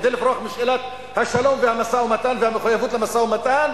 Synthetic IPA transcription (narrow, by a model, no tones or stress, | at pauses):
d̪ɪlɪfɾˤɑːxmɪʃʔɪlat̪̚ | haʃːaloːmfiːhamasaːʔwmat̪aːnfiːhamxʊjːafuːt̪lamasaːwmat̪aːn